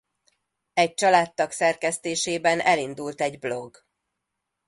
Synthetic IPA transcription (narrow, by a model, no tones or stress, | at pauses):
ɛc̚t͡ʃɒlaːt̪ːɒksɛrkɛst̪eːʃeːbɛnʔɛlind̪ult̪ɛɟblo̞ɡ